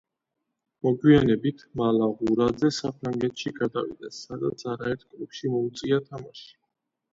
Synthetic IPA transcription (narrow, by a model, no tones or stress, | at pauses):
mɔɡwianɛbit̪ʰmalaʁuɾad̪zɛsapʰɾaŋɡɛt̪ʰʃiɡad̪a̰vḭd̪ɛsːad̪at̪sʰaɾaɛɾt̪̚ʰkʼlˠupʃimɔut̪sʼiat̪ʰamaʃi̥